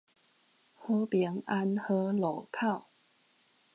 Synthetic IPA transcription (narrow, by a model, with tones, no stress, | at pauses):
hɤ˦pjɛ˧˦ŋa˦nhɤ˧˥lo˨˩˦kʰa˥˨ʊ